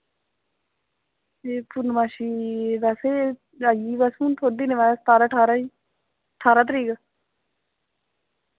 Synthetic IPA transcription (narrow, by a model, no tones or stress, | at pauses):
eːpʊɾnmaːʃiːʋɛːseː | aːjiːʋəːsũːt̪ʰoːɖiːnɪʋaːst̪aːɾaːʈʰaːɾaːiː | ʈʰaːɾaːt̪̬əɾiːkaː